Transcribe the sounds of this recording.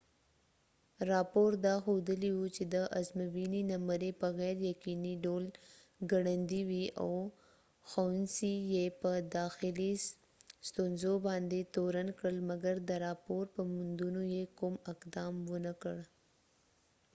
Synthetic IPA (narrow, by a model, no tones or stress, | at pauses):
ɾɑpoɾd̪ɑxod̪əliwut͡ʃed̪əʔazmawininaməɾepəɣɛɾjakiniɖol | ɡaɽand̪iwiʔa̰w | xawnsijepəd̪ɑxɪli | st̪onzobɑnd̪et̪oɾankɽəlmaɡaɾd̪əɾɑpoɾpəmʊnd̪unojekʊmɪqd̪ɑmwənakəɽ